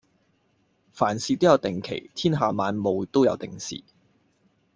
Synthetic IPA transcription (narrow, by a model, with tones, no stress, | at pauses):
faː˨˩nsiː˨t̪o˥wjɐ˨˧wt̪ɪ˨ŋkʰe˨˩jt̪ʰiː˥nɦaː˨˩maː˨˧nmo˨˧wt̪o˥wjɐ̰˨˧wt̪ɪ̰˨˩ŋsḭː˨